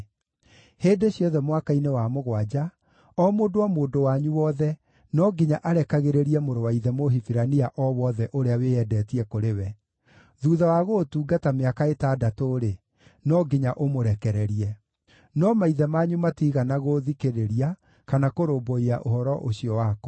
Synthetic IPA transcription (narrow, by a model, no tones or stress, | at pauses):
heːdeɕjɔðɛmwakainewamoɣwad͡ʑa | ɔmoːdowamoːndowaɲuwɔðɛ | nɔɡiɲaʔaɾɛkaɣeɾeɾiɛmoɾowaiðɛmoɦifiɾaniaʔɔwɔðɛʔoɾeaweɛdɛːtiɛkoɾewɛ | ðuːðawaɣotuːɡatameakaetaːdatoɾe | nɔɡiɲaʔomoɾɛkɛɾɛɾiɛ | nɔmaiðɛmaːɲumatiːɣanaɣoðikeɾeɾia | kanakoɾoːboiaʔohɔɾɔʔoɕiɔwaːkɔ̥